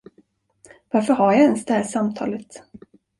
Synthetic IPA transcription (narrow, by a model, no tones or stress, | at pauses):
vaɾfəɾɦajaɛnsd̪ɛhæːʂamt̪ʰɑ̰ːlət̪